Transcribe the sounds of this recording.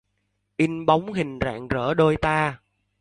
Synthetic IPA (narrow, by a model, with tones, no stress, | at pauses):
ʔi˧nɓa˨˦wŋ͡mɦï˨˩ŋ̟za̰ː˧˨ŋzəː˧˩ɗo˧jt̪aː˧